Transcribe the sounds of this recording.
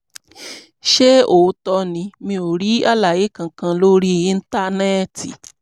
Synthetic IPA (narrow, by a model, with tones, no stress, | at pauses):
ʃe˦o˨˧tɔ˧nĩ˧˦mĩ˧o˨ɾi˦a˦la˨je˨˦kã˧kã˧lo˦ɾi˦˧ĩ˦˧n̩˦ta˦˨nɛ˦˨tḭ˨